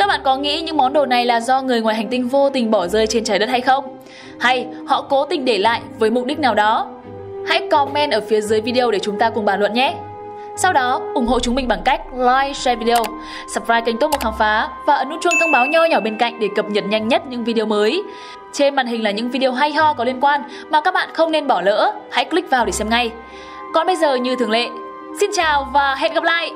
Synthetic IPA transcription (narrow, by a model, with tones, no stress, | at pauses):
kːa˦˥k̚ɓa̰ː˧˨kɔ˨˦ŋḭ˧˥ɲɨ̰˧˥ŋmɔ˨˦nɗo˨˩na˨˩jlaː˨˩zɔ˧ŋɨ˨˩əjŋwaː˨˩jɦa˨˩ŋ̟t̪i˧ŋ̟vo˧t̪ï˨˩ŋ̟ɓɔ˧˩zəː˧jt͡ɕe˧nt͡ɕaː˨˦jɗə˦˥t̚ha˧jxə˧wŋ͡m | ha˧jhɔ̰˧˨ko˨˦t̪ï˨˩ŋ̟ɗe˧˩la̰ː˧˨jvəː˨˦jmʊ˨˩k͡p̚ɗï˦˥k̚naː˨˩wɗɔ˨˦ | ha̰˧˥jkɔ˧mɛ˧nʔəː˧˩fi˨˦əzəː˨˦jvi˧ɗi˧ə˧wɗe˧˩t͡ɕʊ˨˦ŋ͡mt̪aː˧kʊ˨˩ŋŋ͡mɓaː˧˩lwə̰˧˨nɲɛ˦ | sa˧wɗɔ˨˦ʔʊ˧˩ŋ͡mɦo̰˧˨t͡ɕʊ˨˦ŋ͡mmï˨˩ŋɓaː˧˩nka˦˥jk̟̚laː˧jsɛ˧vi˧ɗe˧ə˧w | sə˨˩p̚vaː˧jka˧˩jŋ̟t̪̚m̚˨˩haː˨˩ŋfaː˨˦vaː˨˩ʔə˨˦nʔu˦˥t͡ɕu˧əŋt̪ʰə˧wŋ͡mɓaː˨˦wɲa˧ɲɔ˧˩ɓe˧nka̰˧˨jŋ̟ɗe˧˩kə˨˩p̚ɲə˨˩t̚ɲa˧jŋ̟ɲə˦˥t̚ɲɨ̰˧˥ŋvi˧ɗi˧ə˧məː˨˦j | t͡ɕe˧nma̰ː˧˨nɦï˨˩ŋ̟laː˨˩ɲɨ̰˧˥ŋvi˧ɗi˧ə˧wɦa˧jɦɔ˧kɔ˨˦li˧ənkwaː˧n | maː˨˩ka˦˥k̚ɓa̰ː˧˨nxə˧wŋ͡mne˧nɓɔ˧˩lə̰ː˧˥ha̰˧˥jkli˦˥k̚vaː˨˩wɗe˧˩sɛ˧mŋa˧j | kɔ˨˩nɓə˧jzəː˨˩ɲɨ˧t̪ʰɨ˨˩əŋlḛ˧˨ | si˧nt͡ɕaː˨˩wvaː˨˩ɦɛ̰˧˨nɣə˨˩p̚la̰ː˧˨j